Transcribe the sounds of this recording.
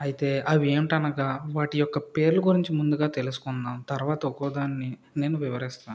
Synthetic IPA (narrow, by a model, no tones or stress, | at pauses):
ɐjit̪e̞ːʔɐʋie̞ːmʈɐnɐɡaːʋaːʈijɔkːɐpe̞ːɾluɡuɾiɲt͡ʃimund̪uɡaːt̪e̞lusu̥kunːaːmt̪ɐɾʋaːt̪ɐokɔʋɐd̪aːnːi | neːnuʋiʋɐɾist̪aːn